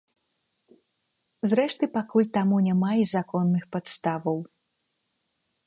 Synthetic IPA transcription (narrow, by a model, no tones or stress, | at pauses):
zɾɛʂt̪ɨpakulʲt̪amunʲamaizakɔnːɨxpat̪st̪avɐw